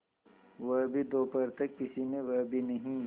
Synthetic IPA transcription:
ʋɐɦbʱid̪oːpɐɾt̪ɐkːɪsinẽʋɐɦbʱinɐɦĩ

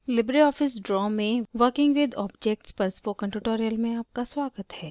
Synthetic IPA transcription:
lɪbɾiɔːfɪs̬ɖɾɔːmẽʋəɾkɪ̃ŋɡʋɪd̪ɔːbd͡ʒek̚ʈspɐɾspokɐ̃ɳʈuʈoːɾijəlmẽaːp̚kaswaːɡət̪hɛː

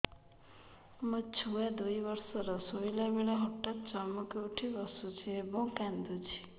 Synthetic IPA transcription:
mɔ̃t͡ʃʰuad̪ujbɔɾsɔɾɔsoilabeɭaɦɔʈːat̪t͡ʃɔmukeuʈʰibɔsut͡ʃʰiebɔ̃wkand̪ut͡ʃʰi̥

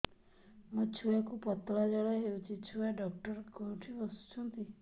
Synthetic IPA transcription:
mũt͡ʃʰuakupɔt̪ɔlad͡ʒɔɭɔɦeut͡ʃʰit͡ʃʰuaɖɔkʈɔɾkɔuʈʰibɔsu̥t͡ʃʰɔnt̪i

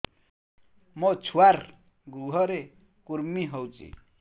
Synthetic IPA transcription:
mɔt͡sʰuwaɾ | ɡɾuɦʌɾe | kuɾmiɦʌwt͡sḭ

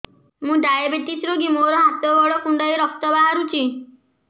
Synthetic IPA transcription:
mũɖajabeʈisɾoɡimoɾɔɦat̪ɔbɔɭɔkuɳɖajiɾɔk̚t̪ɔbaɦaɾut͡ʃʰi

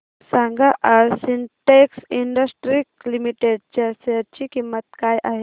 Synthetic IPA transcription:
sãŋɡaʔaɾsinʈeksiɳɖəsʈɾiklimiʈeɖ̚t͡ʃɐɾsɐɾt͡ʃikimːət̪kaːjʔaɦe

